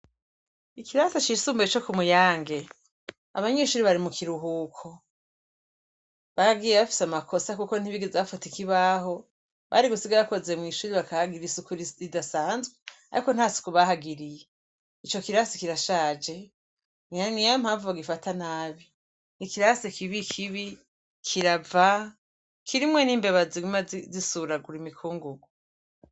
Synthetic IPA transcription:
ikiɾasat͡ʃisuːmbeit͡ʃo̞kumujaːŋɡe̞ | a̰βaɲiʃuːɾiβaɾimukʰiɾuɦuːkʰo | βahaɡiːjeβafi̥samakʰo̞sakuko̞n̥iβiɡezeβafutikiβaːɦo̞ | βa̰ɾiɡusiɡaβako̞ze̞mŋiːʃuːɾiβakaɡiɾisukuɾiidasaːnzwea̰ɾiko̞n̥hasu̥kuβahaɡiɾije | it͡ʃo̞kiɾasekiɾaʃaːd͡ʒe̞ | nanijam̥haːɱvuβaɡifatʰanaːβi | nikiɾasekʰiβikʰiβi | kʰiɾava | kʰiɾimŋwe̞niːmbeβazimazisuɾaɡuɾimikʰuːŋɡuɡu

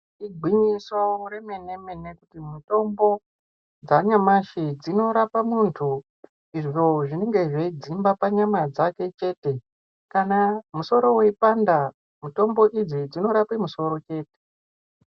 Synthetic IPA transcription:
iɡʱwiɲisooɾeme̞ne̞me̞ne̞kutimuto̞mbo̞ | d͡zaɲamaʃid͡zino̞ɾapamuntʰu | iʐo̞ʐine̞ŋɡe̞ʐeid͡zimbapaɲamad͡zake̞t͡ʃe̞ːte̞ | kanamuso̞ɾo̞we̞panda | muto̞mbo̞ʔid͡zid͡zino̞ɾapemuso̞ɾo̞t͡ʃe̞ːte̞̥

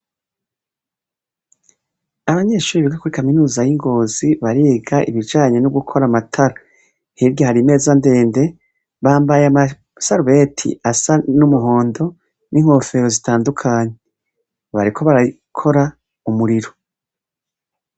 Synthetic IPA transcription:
aβaɲe̞ːʃuːɾiβiɡakuɾikaminuːzajiŋɡo̞ːziβaɾeɡaʔḭβid͡ʒaːɲe̞nuɡukʰo̞ɾamatʰaɾa | hiːɾɡohaɾime̞ːzande̞ːnde̞ | βaːmbajama | saɾβetʰḭʔasanumuɦo̞ːndo̞ | nʔiŋ̥ho̞ːfe̞ːɾo̞zitaːndukʰaːɲe̞ | βaɾikʰo̞βaɾa | kʰo̞ɾa | umuɾiɾo

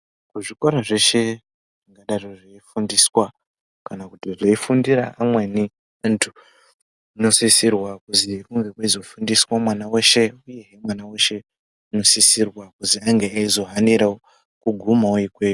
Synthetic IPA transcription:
kuʐiko̞ɾaʐe̞ʃe̞ | ʐ̥iŋɡaɗaroʐeifundiswa | kanakutiʐeifundiɾa̰ʔamwe̞ni | ntʰu̥ | ino̞sisirwakuzikuŋɡe̞kwaizo̞fundiswamwanawe̞ʃe̞uje̞ɦemwanawe̞ʃe̞ | ino̞sisirwakuziaŋɡe̞aizo̞ɦaniɾao | kuɡʱumaoikweːu

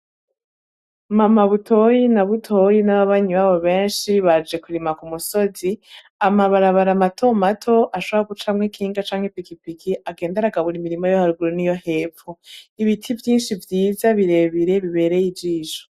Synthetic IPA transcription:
mamaβutʰo̞jinaβutʰo̞jinaβaβaɲuβaβo̞βe̞ːnʃiβad͡ʒe̞kuɾimakumuso̞zi | amaβaɾaβaɾamatʰo̞matʰo̞ʔaʃoβɾaɡut͡ʃamŋikʰiːŋɡat͡ʃaːŋhepikipikʰiʔaɡe̞ːndaɾaɡaβuɾimiɾimojohaɾuɡuɾunijo̞heːfuiβitʰivjiːnʃivjiːzaβiɾe̞βiɾe̞βiβe̞ːɾe̞jid͡ʒiːʃo̥

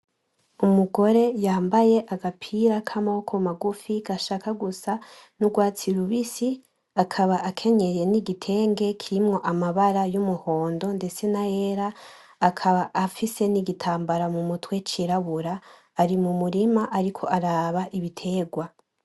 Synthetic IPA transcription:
umuɡo̞ɾe̞jaːmbaje̞ʔaɡapʰiɾakʰamo̞kʰomaɡufiɡ̥aʃaːkaɡusa | nuɡwaːt͡siɾuβisi | akʰaβaʔakʰe̞ɲe̞ɾe̞niɡitʰe̞ːŋɡe̞kʰiɾimŋo̞ʔamaβaɾajumuho̞ːndo̞nde̞t͡se̞naje̞ːɾaː | kʰaβaʔːfise̞niɡitʰaːmbaɾamumutwe̞t͡ʃiɾaβuɾaː | ɾimumuɾimaʔaɾikʰo̞ʔaɾaβaʔiβitʰe̞ːɡwa

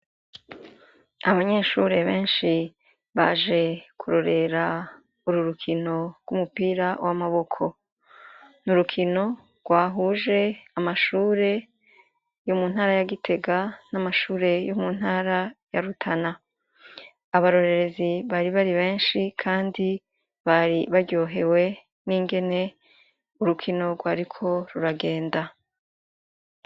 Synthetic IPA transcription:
aβaɲe̞ʃuːɾe̞βe̞ːnʃi | βaʒe̞kʰuɾo̞ɾe̞ɾa | uɾuɾukʰino̞ɡwumupiːɾawʔamaβo̞kʰo̞ | nuɾukʰino̞ | ɡ̥waːɦuʒe̞amaʃuːɾe̞ | jomunhaːɾajaɡitʰe̞ɡanamaʃuːɾe̞jomuːn̥haːɾajaɾutʰana | βaɾo̞ɾe̞ɾe̞ziβaɾiβaɾiβe̞ːnʃikʰaːndi | βaɾiβaɾɟo̞ːɦe̞we̞ | niːŋɡe̞ne̞ | uɾukʰino̞ɡwaːɾikʰo̞ɾuɾaɡe̞ːnda

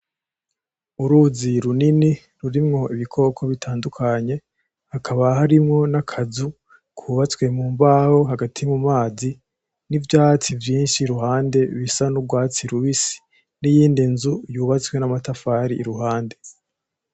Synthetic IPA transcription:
uɾuziɾunini | ɾuɾimŋo̞iβikʰo̞ːkʰo̞βitʰaːndukʰaɲe̞ | hakʰaβahaɾimŋo̞nakʰazu | kʰuβat͡swe̞muːmbaho̞ɦaɡatʰimumaːzi | nivjaːt͡sivjiːnʃiɾuɦaːnde̞βisanubɡwaːt͡siɾuβisi̥ | nijiːndinzujuːβat͡swe̞namatafaːɾiːɾuɦaːnde̞

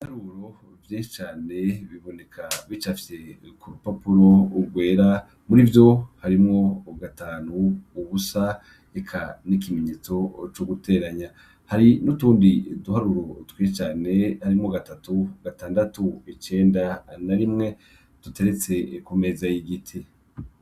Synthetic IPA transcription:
ihaɾuɾo | vjeːʃet͡ʃaːne̞βiβo̞ne̞kʰaβit͡ʃafi̥se̞ | kuɾupopuɾouɡwe̞ːɾa | muɾivjo̞haɾimŋo̞ɡataːnuːβusa | ekʰanik̬ime̞ɲeːt͡so̞t͡ʃoɡute̞ɾaɲa | haɾinutuːndiduhaɾuɾotwijet͡ʃaːne̞haɾimŋoɡatatuɡ̥ataːndatuit͡ʃe̞ːndanaɾimŋe | d̥ute̞ɾe̞t͡se̞kome̞zajiɡitʰi

